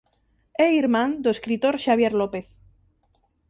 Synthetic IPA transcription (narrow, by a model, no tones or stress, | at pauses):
eiɾmãnd̪oeskɾit̪oɾʃaβ̞jeɾlopeθ